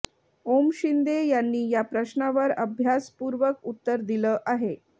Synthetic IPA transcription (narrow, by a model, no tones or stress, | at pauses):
omɕind̪ejanːiːjapɾəɕnaʋəɾəbʱjaspuːɾʋəkut̪ːəɾd̪iləːʔaɦe